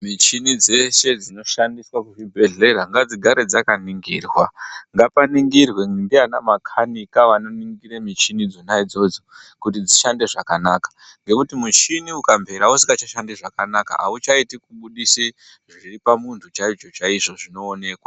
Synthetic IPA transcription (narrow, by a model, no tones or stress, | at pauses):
mit͡ʃinid͡zese̞d͡zino̞ʃandiswakuʐibʱe̞ɮe̞ɾaŋɡad͡ziɡʱaɾe̞d͡zakaniŋɡiːrwaŋɡapaniŋɡirwe̞ndianamakʰanikaʋano̞niŋɡiɾemit͡ʃinid͡zonaid͡zo̞d͡zo̥kut̬id͡ziʃande̞ʐakanaːkḁ | ŋɡe̞kutimut͡ʃiniukambʱe̞ɾausiŋɡat͡ʃaʃandeʐakanaka̰a̰ut͡ʃaitikuɓuɗisi | ʐiripamuntʰut͡ʃait͡ʃo̞t͡ʃaiʐo̞ʐino̞ːne̞ːkwa